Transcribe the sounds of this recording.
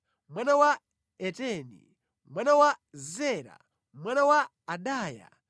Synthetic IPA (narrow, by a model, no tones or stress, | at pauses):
mwanawa | ɛtɛnḭ | mwanawazɛɾa̰ | mwanawaː | ɗaːja̰